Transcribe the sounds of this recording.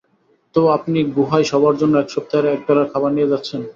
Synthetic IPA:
t̪oapniɡuɦajʃɔbaɾd͡ʑonːoɛkʃɔp̚t̪aeɾeɛk̚bɛlaɾkʰabaɾnijed͡ʑatːɕʰen

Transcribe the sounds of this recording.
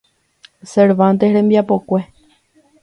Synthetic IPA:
seɾβãnt̪ehɾembiapokʷe

